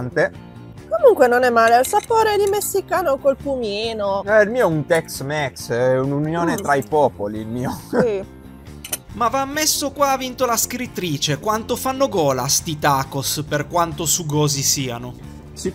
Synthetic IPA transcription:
nt̪e | komuŋkwenonɛmːaːlealsapoːɾed̪imesːikaːnokolpumiːnoɛilmiːoɛunt̪ɛksmɛksɛununjoːnet̪ɾaipɔːpoliːlmiːoi | mavamːesːokwaːvint̪olaskɾit̪ːɾiːt͡ʃekwant̪ofanːoɡɔːlast̪it̪aːkosperkwant̪osuɡɔːzisiːano | s

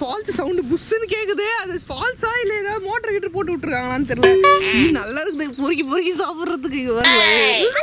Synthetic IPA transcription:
faːlssɐwʊɳɖɯbʊsːɯnːɯkeːkːɐðɯɐðɐfaːlsaːɪlːɐɛðaːmoːʈːɐɾɐkɪʈːɯpoːʈ̬ːɯʋɪʈːɯɾɯkːãːŋɐnːɯt̪ɛɾɪlɛ̃niːnɐlːaːɪɾɯkːɐðɯpʊɾɪɣipʊɾɪɣisaːpɯɾɾɐðɯkːɯɪŋɡɐʋɐɾɯɐ

